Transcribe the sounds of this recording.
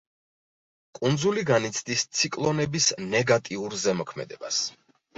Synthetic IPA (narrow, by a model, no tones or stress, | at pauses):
kʼund̪zuliɡanit̪sʰd̪ist̪sʰikʼlˠɔnɛbisnɛɡat̪ʼiuɾzɛmɔkʰmɛ̰d̪ɛbas